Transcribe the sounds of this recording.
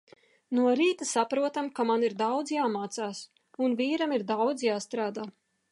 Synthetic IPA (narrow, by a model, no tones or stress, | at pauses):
nuɔɾiːt̪asapɾuɔt̪amkamaniɾd̪awd̪zjaːmaːt̪saːs | unvʲiːɾamiɾd̪awd̪zjaːst̪ɾaːd̪aː